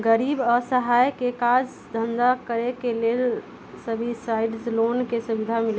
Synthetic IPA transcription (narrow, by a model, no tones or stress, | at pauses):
ɡəɾibəsəɦajkekad͡ʒ | d̪ʱənd̪akəɾekelel | səbʱisajɖslonkesubid̪ʱamil